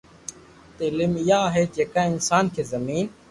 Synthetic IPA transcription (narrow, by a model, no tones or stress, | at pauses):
t̪eːlɪmɪjaːɦeːd͡ʒeːkãɪnsaːnkʰeːzəmiːn